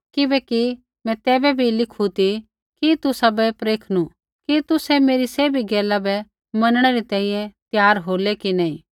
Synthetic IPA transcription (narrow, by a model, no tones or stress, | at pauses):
kɪbɛki | mɛ̃t̪ɛːbɛbʱilɪkʰut̪i | kit̪ʊsabɛpɾeːkʰnu | kit̪ʊsɛmeːɾiseːbʱiɡɛːlabɛ | mɐnɽ̃ɛɾit̪ɛ̃ːĩjɛ̃t̪jaːɾɦoːlɛkinaːĩː